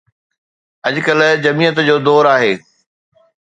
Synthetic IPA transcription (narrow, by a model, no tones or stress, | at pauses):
ɐd͡ʑʊkəld͡ʑɐmiːət̪d͡ʑoːd̪ɔːɾaːɦeː